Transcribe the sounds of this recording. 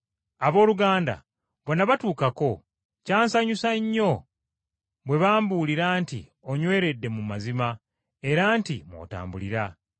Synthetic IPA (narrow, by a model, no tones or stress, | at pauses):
aβo̞ːluɡaːnda̰ | βwonːaβatuːkako̞ | caːnsaɲusaɲːo̞ | βwe̞βaːmbuliɾaːntḭ | o̞ɲwe̞ːɾe̞dːe̞mumazima | e̞ɾaːntḭmwo̰ta̰ːmbuliɾa